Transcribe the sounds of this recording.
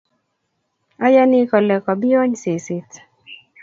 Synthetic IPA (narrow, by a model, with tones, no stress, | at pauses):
a˦ja˦nɪ˦kɔ˨lɛ˨kɔ˨bɪ˦ɔ˦ɲse˨se˨t